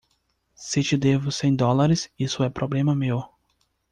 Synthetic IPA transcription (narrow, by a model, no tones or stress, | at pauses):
sɪt͡ʃɪd̪evʊsẽj̃d̪ɔlaɾɪsisʊɛpɾoblẽmɐmew